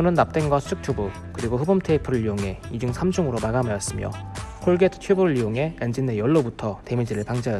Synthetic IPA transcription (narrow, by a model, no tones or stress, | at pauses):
ʌnɯnːap̚t͈enɡwasʰu̥d͡ʑʰɯk̚t͡ɕʰobu | kɯɾiɡoɸɯbʌmtʰeipʰɯɾɯɭːijoŋɦe̞id͡ʑuŋsʰamd͡ʑʰuŋɯɾomaɡamajʌs͈ɯmjo̰kʰoɭɡetʰɯ̥t͡ɕʰweboɾɯɭijoŋɦe̞end͡ʑinejʌɭːobutʰʌte̞mid͡ʑiɾɯɭpaŋd͡ʑajʌ